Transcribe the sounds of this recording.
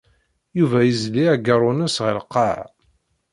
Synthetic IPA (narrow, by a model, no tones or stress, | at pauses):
juvæjəzliæɡəɾˤʊnəsʁəlqːɑʕ